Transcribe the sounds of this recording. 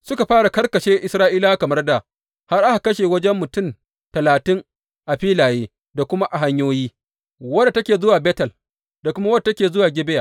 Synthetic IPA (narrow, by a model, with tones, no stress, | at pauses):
sʊ˦ka˨ɸaː˦ɽa˨kɐ˦rkɐ˨ʃeː˦ʔɪ˨˦sɾaː˦ʔiː˦laː˦kɐ˨mɐ˦rda˨ | ha˦rʔa˦ha˨kɐ˦ʃeː˨wɐ˦d͡ʒɛ˦mːʊ˨tʊ˦˨m | tɐ˨laː˨tɪ˦ŋ | ʔa˨ɸiː˦laː˨jeː˦ | da˨kʷʊ˦ma˦ʔa˨ɦa˦ɲjoː˦jiː˦ | wɐ˦da˨tɐ˦kʲeː˨zʊ˦waː˨bɛː˦tɐ˨l | da˨kʷʊ˦ma˦wɐ˦da˨tɐ˦kʲeː˨zʊ˦waː˨ɡʲɪ˦bɪ˦jaː˨